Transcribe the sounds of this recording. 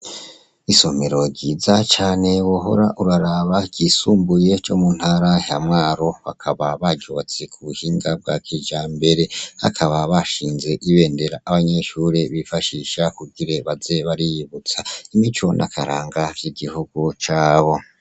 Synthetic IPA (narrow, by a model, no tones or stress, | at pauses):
iso̞me̞ɾo̞ɟiːzat͡ʃaːne̞woɦo̞̰ɾaʔuɾaɾaβaɡ̥isuːmbuje̞t͡ʃo̞mun̥haɾajamŋaːɾo̞βa̰kʰaβaβaɟot͡sekuβuhiːŋɡab̚ɡaːkʰid͡ʒaːmbe̞ɾe̞ha̰kʰaβaβaʃiːnze̞ʔiβe̞ːnde̞ɾaːβaɲe̞ʃuːɾeβifaʃiʃakuɡiɾe̞βaze̞βaɾijiβut͡saimit͡ʃo̞nʔa̰kʰaɾaːŋɡaɟiɡihuɡ̥ut͡ʃaːβo̞